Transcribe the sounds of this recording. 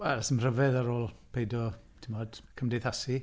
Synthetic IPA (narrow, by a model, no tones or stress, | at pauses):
wɛlasəmr̥əvɛðaɾoːlˠpʰejdɔ | tʰimɔːd̥kʰəmdejθasi